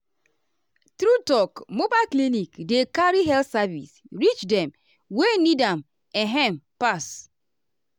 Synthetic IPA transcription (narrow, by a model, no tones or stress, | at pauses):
tɾutɔkmobaklinikdekaɾiɦɛltsavḭs | ɾit͡ʃdɛm | wenidam | ɛɦɛmpas